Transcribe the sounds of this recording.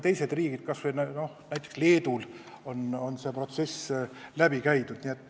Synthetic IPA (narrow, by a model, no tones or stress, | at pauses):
t̪e̞jse̞d̪riːɡ̥id̪̥̚kɑsʋejnno̞hnæjt̪ːˑeksle̞ːd̪̥ul | o̞no̞nse̞ːpro̞t̪se̞slæb̥ikæjt̪ud̪̥niet̪ːˑ